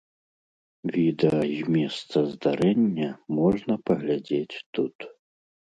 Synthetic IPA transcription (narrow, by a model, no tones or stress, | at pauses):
vʲid̪ɛɐzʲmʲɛst̪sɐzd̪aɾɛnʲːɐmɔʐnɐpɐɣlʲad͡zʲet͡sʲt̪ut̪